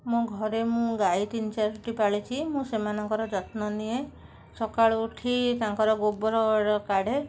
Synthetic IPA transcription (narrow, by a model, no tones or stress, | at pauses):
mũɡʱɔɾemũɡait̪int͡ʃaɾuʈipaɭit͡ʃʰimũsemanɔŋkɔɾɔd͡ʒɔt̪nɔnie | sɔkaɭuʈʰit̪ãŋkɔɾɔɡobɔɾɔɽɔkaɽe